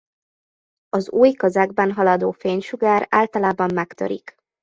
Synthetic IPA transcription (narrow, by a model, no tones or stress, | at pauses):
ɒzuːjkɒzaɡbɛnɦɒlɒd̪oːfeːɲʃuɡaːɾaːlt̪ɒlaːbɒmːɛkt̪ø̰ɾḭk